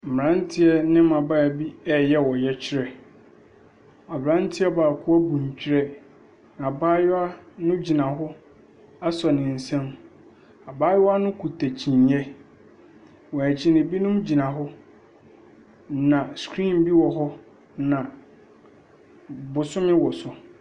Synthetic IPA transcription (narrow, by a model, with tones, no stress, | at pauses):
m̩˨m˨ɾã˦n˦tʰɪ˦ɛ˦nɪ̃˦m˦ã˨ba˦˨bi˦ɛ˦jɛ˦wɔ˨jɛ˦t͡ɕʰɪ˦ɾɛ˨ | a˨bɾã˦n˦tʰɪ˦ɛ˦baː˨kʰʊ˦æ˦bũ˨ɲ˨t͡ɕʰᶣi˦ɾɛ˦ | n˨a˨baː˦ja˦nʊ̃˦d͡ʑi˨nã˨ɦʊ˦ | a˦sɔ˨nɪ̃˨n̩˨sɛ̃˦m | a˨baː˦ja˦nʊ̃˦kʰu˨tʰæ˨t͡ɕʰĩ˨n˨˦ɛ˦ | wɔ˨æ˨t͡ɕʰɪ˦nɪ̃˨bi˦nʊ̃˦md͡ʑi˨nã˨ɦʊ˦ | nã˨skʰɾĩ˦˨mbi˦wɔ˨ɦɔ˦ | nã˨ | bʊ˨sʊ̃˦mɪ̃˦wɔ˨sʊ˨